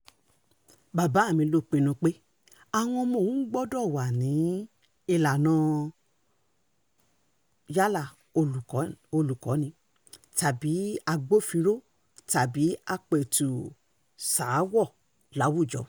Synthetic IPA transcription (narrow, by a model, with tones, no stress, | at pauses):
ba˨ba˨˦˨mĩ˧˦lo˧˦˨k͡pĩ˧nũ˧k͡pe˦ | a˧˨w̃ɔ̃˧mo˧˨n̩˦ɡ͡bɔ˦dɔ˦˨wa˨nĩ˨˦ | i˧la˨nã˨˦ | ja˦la˦˨ | o˧u˨˦o˧lu˨kɔ˨˦nĩ˨˧˦ | ta˨bi˨˦a˧ɡ͡bo˦˨fĩ˧ɾo˦ | ta˨bi˨˦a˧k͡pe˨tu˨ | saː˨˦wɔ˦˨ | la˨˦wu˦˨d͡ʒɔ̰˨˦